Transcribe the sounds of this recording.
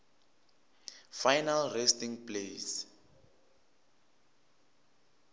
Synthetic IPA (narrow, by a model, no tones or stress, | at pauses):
fajnalrestiŋples